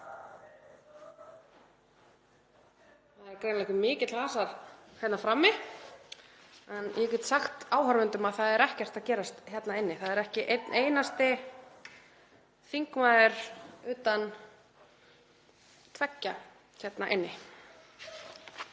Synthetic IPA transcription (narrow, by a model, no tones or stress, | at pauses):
θaðɛɾkɾeːjnalɛkʏmɪːcɪt̪laːsaɾhɛt̪nafɾamːɪ | ɛnjɛcɛt̪saxt̪aːwɦaɾmʏnt̪ʏmaðθaðɛɾɛhcɛr̥t̪aðcɛːɾast̪çjɛt̪naɪnːɪθaðɛɾɛhcɪʔet̪neːjnast̪ɪ | θiŋkmaːðɪɾ̥ʏːt̪an | t̪ʰvɛcːa | çɛt̪naʔɪnːɪ